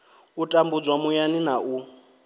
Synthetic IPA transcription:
utʼambud͡zwamujaninaʔu

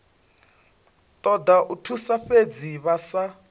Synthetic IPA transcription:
t̪ʼɔd̪aʔutʰusaɸed͡ziβasa

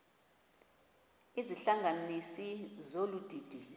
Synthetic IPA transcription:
iziɬaŋʱanisizolud̥ʱiːd̥ʱi

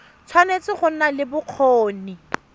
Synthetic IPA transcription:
t͡sʰwanet͡sɪχʊn̩nalɪbʊq͡χʰoːni

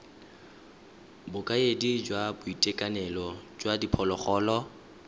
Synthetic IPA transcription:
bʊkʼaedid͡ʒwabʊitʼekʼanɛlɔd͡ʒwadipʰɔlɔχɔːlɔ

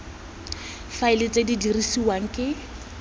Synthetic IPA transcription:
faɪlɪt͡sʼedidirisiwaŋ̩kʼɪ

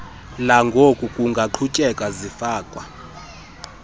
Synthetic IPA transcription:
laŋɡʱokʼukʼuŋɡʱaǃʰut͡ʃʼɛkʼazifaːkʼwa

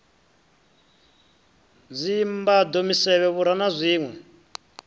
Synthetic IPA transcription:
d͡zʷimbad̪omisɛβɛβuɾanazʷiːŋwɛ

